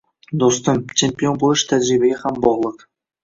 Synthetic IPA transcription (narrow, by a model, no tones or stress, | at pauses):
d̪ost̪əmt͡ʃʰempʲio̞nboəʃə̥t̪ʰæd͡ʒɾibæɡʲehæmbɒʁlˠəq